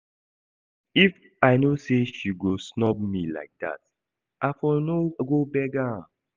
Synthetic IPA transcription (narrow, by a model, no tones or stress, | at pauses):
if | aɪnoseʃiɡosnɔb̚mila̰ɪk̚da̰t̚ | ʔafɔnoɡobɛɡa